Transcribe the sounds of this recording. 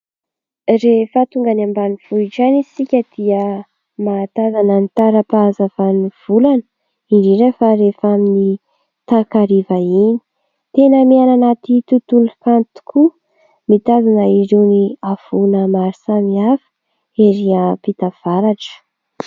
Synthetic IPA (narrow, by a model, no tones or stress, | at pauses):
refət̪uŋɡanambaniv̥uʈ͡ʂanisikʲəd̪̥iə | mat̪azanənit̪aɾəpaːzavaniv̥ulanə̥ | iɾiɾefaɾefamini | t̪akaɾivaini̥ | t̪enəmiananat̪it̪ut̪ulukant̪u̥kʰu | mit̪azanəiɾewniavunəmaɾisamiafə̥ | eɾiapit̪av̥aɾaʈ͡ʂə̥